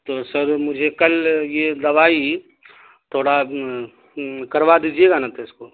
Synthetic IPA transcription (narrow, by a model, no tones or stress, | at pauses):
t̪oːsɐɾmʊd͡ʒʱekɐljed̪ɐʋaːi | t̪ʰoːɽa | kɐɾʋad̪iːd͡ʒieːɡanat̪oɪskoː